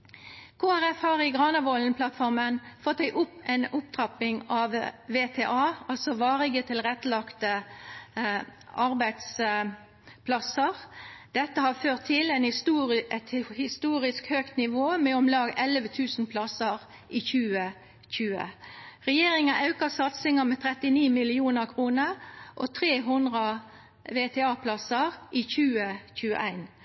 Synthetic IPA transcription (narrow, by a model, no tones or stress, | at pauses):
kʰoːæʁɛfhɑːʁɪɡʁɑːnəʋɔlnpʰlɑt̪fɔʁmənfɔt̪ːæɪʔʊpːɛnʊp̚t̪ʰʁɑpɪŋɑʋʋeːt̪ʰeːʔɑːɑlsɔʋɑːʁɪɡət̪ʰɪlʁɛt̪ːlɑkt̪ə | ʔɑɾbæɪd̪s | pʰlɑsəʁd̪̥ɛt̪ːəhɑføːʁt̪ʰːɪlɛɪnhɪst̪uːɛt̪hɪst̪uːɾɪskhøːkt̪nɪʋoːmɛɔmlɑːɡɛlʋət̪ʰʉːsn̩pʰlɑsəʁ | ʔɪçʉːə | çʉːə̰ʁɛjeːɾɪŋənɑʉkəsɑt̪sɪŋəmɛt̪ʰɾɛt̪ɪniːmɪlɪuːnəʁkʰʁuːnəʁʔɔt̪ʰʁeːɦʊnd̪ʁə | ʋeːt̪ʰeːɑːpʰlɑsəʁʔɪçʉːəçʉːə̰ʔæɪn